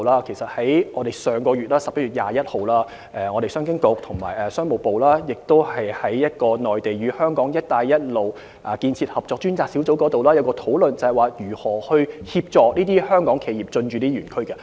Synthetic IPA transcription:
laː˥kʰe˨˩sɐ˨t̚hɐ˨˥jŋɔː˨˧d̪e˨˩jsœː˨ŋkɔː˧ɥyː˨t̚laː˥sɐ˨p̚kɐ˥yː˨t̚ja̰ː˨jɐ˥t̚ho˨˩wlaː˥ | ʔɛ˨˧ŋɔː˨˧ɾe˨˩sœː˥ŋk̬ɪ˥ŋko˧k̚t̪ʰʊ˨˩ŋma̰ː˨˩jɛ˨˩sœː˥ŋmo˨wpo˨wlaː˥jɪ˨k̚t̪o˥whɐ˨jhɐ˨˥jjɐ˥t̚kɔː˧nɔː˨jt̪e˨jɥyː˨˧hœː˥ŋkɔː˨˥ŋjɐ˥t̚t̪aː˧jjɐ˥t̚lo˨w | ʔɐ˨kiː˧nt͡sʰiː˧t̚hɐ˨p̚t͡sɔː˧k̚t͡ʃyː˥nt͡saː˧k̚si˨˥wt͡so˨˥wkɔː˨˥t̪o˨wlaː˥jɐ˨˧wkɔː˧t̪ʰo˨˥wlɵ˨nt͡sɐ˨˩hɐ˨˩jwaː˨˧jyː˨˩hɔː˨˩hɵ˧ɥhiː˧p̚t͡ʃɔː˨k̚niː˥t̪iː˥hœː˥ŋkɔː˨˥ŋkʰe˨˧jiː˨p̚t͡sɵ˧nt͡ʃy˨˧niː˥ɥyː˨˩nkʰɵ˥kɛ˧

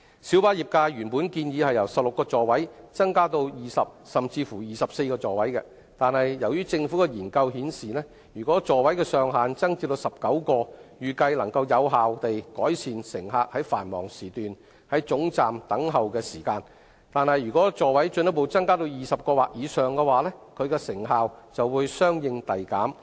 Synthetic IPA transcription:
siː˨˥wpaː˥jiː˨p̚kaː˧ɥyː˨˩npuː˨˥nkiː˧njiː˨˧hɐ˨jɐ˨˩wsɐ˨p̚lʊ˨kːɔː˧t͡sɔː˨wɐ˨˥jt͡sɐ˥ŋkaː˥t̪o˧wjiː˨sɐ˨p̚sɐ˨mt͡siː˧fuː˨˩jiː˨sɐ˨p̚se˧jkɔː˧t͡sɔː˨wɐ˨˥jkɛ̰ː˧ | t̪aː˨nhɐ˨jːɐ˨˩wjyː˥t͡sɪ˧ŋfu˨˥kɛ˧jiː˨˩nkɐ˧whiː˨˥nsiː˨nɛː˥ | jyː˨˩kɔː˨˥t͡ʃɔː˨wɐ˨˥jkɛː˧sœː˨ŋɦaː˨nt͡sɐ˥ŋt͡siː˧t̪o˧wsɐ˨p̚kɐ˨˥wkɔː˧jyː˨kɐ˧jlɐ˨˩ŋkɐ˧wjɐ˨˧wɦaː˨wt̪e˨jkɔː˨˥jsʰiː˨˩nsɪ˨˩ŋɦaː˧k̚hɐ˨˥jfaː˨˩nmɔ̰ː˨˩ŋsiː˨˩t̪yː˨n | hɐ˨˥jt͡sʊ˨˥ŋt͡saː˨mt̪ɐ˨˥ŋɦɐ˨wkɛː˧siː˨˩kaː˧n | t̪aː˨nhɐ˨jːyː˨˩kɔː˨˥t͡sɔː˨˩wɐ˨˥jt͡ʃɵ˧njɐ˥po˨˧wt͡sɐ˥ŋkaː˥t̪o˧wjiː˨˩sɐ˨p̚kɔː˧waː˨k̚jiː˨˧sœː˨ŋkɛː˧waː˨lɛː˥kʰɵ˨˧ɥkɛ˧sɪ˨˩ŋɦaː˨wt͡sɐ˨wwuː˨˧jsœː˥ŋjɪ˧ŋt̪ɐ˨jkaː˨˥m

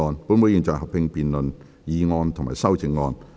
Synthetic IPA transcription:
ɔː˧npuː˨˧˥nmu˨˧˥ji˨nt͡sɔː˨˩ɦɐ˨p̚pɪ˧ŋpiː˨nlɵ˨n | jiː˨˧ŋɔː˧nt̪ʰʊ˨ŋmaː˨˩sɐ˥wt͡sɪ˨˧ŋŋːɔː˧n

